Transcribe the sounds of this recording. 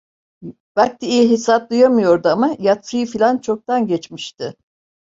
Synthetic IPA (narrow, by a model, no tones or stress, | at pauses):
b̥alcʰiijɛɦisat̪̚d̪ˠujamɯjo̞ɾd̪uamajat̪ːɯjɯfilʲant͡ʃʰo̞k̚t̪anɟɛt͡ʃmiʃt̪ɪ